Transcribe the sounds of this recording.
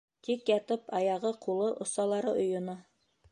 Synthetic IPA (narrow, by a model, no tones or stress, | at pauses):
t̪ikjɑt̪ɤpɑjɑʁɤqulˠɤʔŏsɑlˠɑɾɤʔŏjŏnɤ